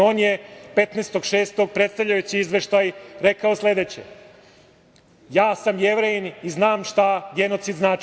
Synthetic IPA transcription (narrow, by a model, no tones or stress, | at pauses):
oːnjepe̞t̪neːst̪o̞ɡʃeːst̪o̞ɡ̚pɾet̪st̪avʎʲajut͡ɕiizʋeʃt̪ajɾe̞kao̞sle̞d̪eːt͡ɕḛ | jaːsamjeʋɾejiniznaːmʃt̪aɡe̞no̞t̪sid̪znaːt͡ʃ